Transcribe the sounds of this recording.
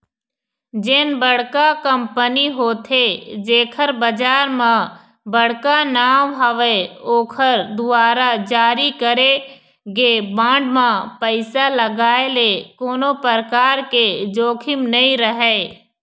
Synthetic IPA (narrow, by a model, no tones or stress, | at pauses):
d͡ʒɪnbəɽkakəmpəniɦoːt̪ʰed͡ʒeːkʰəɾbəd͡ʒaːɾmã | bəɽkanaːmɦəʋeoːkʰəɾd̪ʊaːɾad͡ʒaːɾikəɾe | ɡebãːɳɖmãpəɪsaləɡaːelekoːnopəɾəkaːɾked͡ʒoːkʰɪmnəĩɾəɦeː